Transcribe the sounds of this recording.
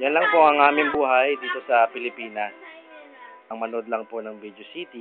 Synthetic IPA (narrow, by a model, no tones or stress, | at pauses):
jɐnlɐŋpoʔɐŋʔaːmɪŋbuːɦɐjd̪iːt̪o̞sɐpɪlɪpiːnɐs | ʔɐŋmɐno̞d̪lɐŋponɐŋbid̪osiːt̪i